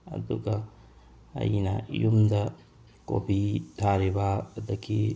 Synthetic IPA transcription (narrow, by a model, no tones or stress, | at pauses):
ɐ̰d̪uka | ɐ̰ina̰jumd̪ɐ | ko̰bit̪ʰaːɾibad̪ɐkʰi